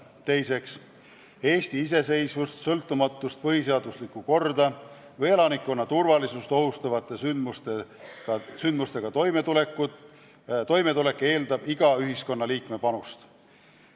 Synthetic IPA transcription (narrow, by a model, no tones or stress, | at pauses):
t̪e̞jse̞ks | e̞ːst̪iis̬e̞se̞jsvust̪sɤlt̪ːˑumɑt̪ːˑust̪̚pɤɦise̞ɑd̪uslikːˑuko̞rd̪ɑ | vɤje̞lɑnikːˑo̞nːɑt̪urvɑlisust̪o̞ɦust̪ɑvɑt̪ːˑe̞symust̪e̥ɑsynd̪must̪e̞ɡ̥ɑt̪o̞jmet̪ule̞kːˑud̪ | t̪o̞jme̞t̪ule̞kːˑe̞ːld̪ɑb̥iɡ̥ɑyɦisko̞nːɑliːkme̞pɑnust̪